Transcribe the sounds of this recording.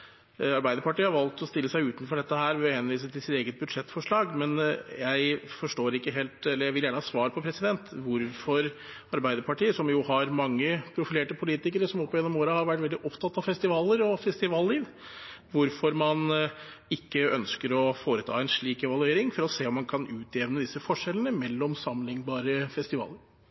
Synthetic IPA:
ɑɾbæɪd̪əpɑʈiːəhɑɾʋɑlt̪ɔst̪ɪlːəsæɪʉːt̪nfɔɖɛt̪ːəhæːɾʋhɛnʋiːsət̪ʰɪlsɪt̪eːɡət̪̚bʉd̪ʂɛt̪ːfɔʂɭɑːɡmɛnjæɪfɔʂʈoːɾɪkːəɦeːlt̪ɛləɾjæɪʋɪljæːɳəhɑːsʋɑːɾpʰɔpʰɾɛsɪd̪ɛnt̪ʋʊɾfɔɾ | ɑɾbæɪd̪əɾpɑʈiːəsɔmjʊhɑɾmɑŋːəpʰɾʊfɪleːʈəpʰʊliːt̪ɪkəɾəsɔmɔpːɔjɛnːɔmoːɾəhɑɾʋæʈːʋɛld̪ɪʔɔpt̪ʰɑt̪ːɑʋfɛst̪ɪʋɑːləɾɔfɛst̪ɪʋɑːlːiːʋ | ʋʊɾfɔɾmɑn | ɪkːəœnskəɾɔfoːɾət̪ʰɑ̰ːɛnʂɭiːkɛʋɑlʉeːɾɪŋfɔɾɔseːɔmːɑnkʰɑnʉːt̪ʰɛʋnəd̪ɪsːəfɔʂɛlːənəmɛlːɔmsɑmlɪŋbɑːɾəfɛst̪ɪʋɑ̰ːləɾ

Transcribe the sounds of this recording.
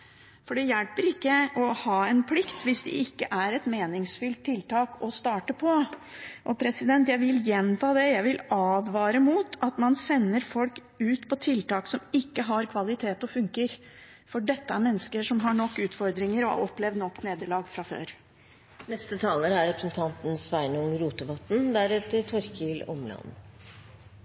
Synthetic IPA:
fɔɖɛjɛlpəɾɪkːəɔhɑːɛnpʰlɪkt̪ʰʋɪsd̪ɛ̰ɪkːəʔæɾɛt̪meːnɪŋsfʏlt̪ʰːɪlt̪ʰɑːkɔst̪ɑːʈəpʰɔ | ʔɔpʰɾɛsɪd̪ɛnt̪jæɪʋɪljɛnt̪ʰɑːd̪ɛjæɪʋɪlɑːd̪ʋɑːɾəmuːt̪ɑt̪mɑnsɛnːəɾfɔlk | ʉːt̪pʰɔt̪ʰɪlt̪ɑːksɔmɪkːəɦɑɾkʰʋɑlɪt̪ʰeːt̪ɔfʉŋkəɾ | fɔɖɛt̪ːəæɾmɛnːəskəʂɔmɦɑɳɔkːʉːt̪fɔɾd̪ɾɪŋəɾɔ̰ɔpːlɛʋd̪nɔkːneːd̪əɭɑːɡfɾɑfø̰ːɾ | nɛst̪ət̪ʰɑːləɾæɾɾɛpɾəsn̩t̪ʰɑnt̪n̩sʋæɪnʊŋɾuːt̪əʋɑt̪ːn̩d̪æɾɛt̪əɾt̪ʰɔɾkɪlɔ̰mlɑ̰n

